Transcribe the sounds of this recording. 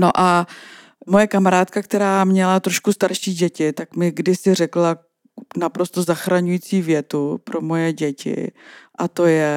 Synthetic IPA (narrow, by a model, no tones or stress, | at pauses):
noʔa | mo̞jɛkamaɾaːt̪kakt̪ɛɾaːmɲɛlat̪ɾo̞ʃkust̪aɾʃiːɟɛcɪt̪akmɪɡdɪsɪrɛkla | napɾo̞st̪o̞zaxɾaɲujiːt͡siːvjɛt̪upɾo̞mo̞jɛɟɛcɪ̰ʔat̪o̞jɛ